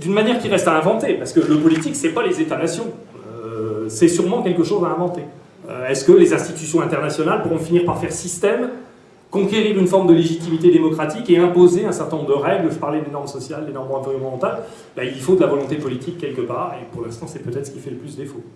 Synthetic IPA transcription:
d̪ynmanjɛʁkʲiʁɛst̪aɛ̃vɑ̃t̪epaʁsə̥kələpɔlit̪iksɛpalezet̪anasjɔ̃ | øsɛsyʁmɑ̃kʲɛlkəʃozaɛ̃vɑ̃t̪e | ø̰ɛskəlezɛ̃st̪it̪ysjɔ̃ɛ̃t̪ɛʁnasjɔnalpuʁɔ̃finiʁpaʁfɛʁsist̪ɛm | kɔ̃kʲeʁiʁynfɔʁmd̪əleʒit̪imit̪ed̪emɔkχat̪ikeɛ̃pozeɛ̃sɛ̃ʁt̪ɛ̃nɔ̃bʁd̪əʁɛɡlʒəpaʁlɛd̪enɔʁmsɔsjald̪enɔʁmɑ̃viʁɔ̃nmɑ̃t̪al | bailfod̪əlavɔlɔ̃t̪epɔlit̪ikʲːɛlkəpaːʁepuʁlɛ̃st̪ɑ̃sɛpøt̪ɛt̪χsə̥kʲifɛləplysd̪d̪efo

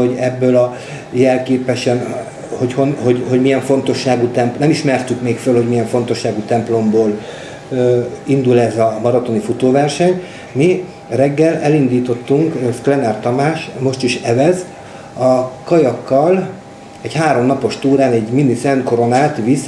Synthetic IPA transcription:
oɟɛbːøːlɒ | jɛlkeːpɛʃɛn | hochonho̞ɟho̞ɟmijɛɱfo̞nt̪o̞ʃːaːɡuːt̪ɛmpnɛmiʃmɛrt̪ykmeːkfølho̞ɟmijɛɱfo̞n̪t̪o̞ʃːaːɡut̪ɛmplo̞mboːl | ind̪ulɛzɒmɒɾɒt̪o̞nifut̪oːvɛrʃɛɲ | mi | rɛɡːɛlɛlind̪iːt̪o̞t̪ːuŋkklɛnɛrt̪ɒmaːʃmo̞ʃt̪iʃɛvɛz | ɒkɒjɒkːɒl | ɛɟhaːɾo̞mnɒpo̞ʃt̪uːɾaːnɛɟminːisɛnko̞ɾo̞naːt̪ʋis

